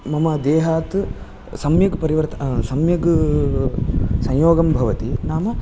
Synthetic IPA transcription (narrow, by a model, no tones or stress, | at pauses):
mɐmɐd̪eːɦaːt̪ | sɐmjɐɡpɐɾiʋɐɾt̪ɐsɐmjɐɡ | sɐ̃j̃joːɡɐmbʱɐʋɐt̪inaːmɐ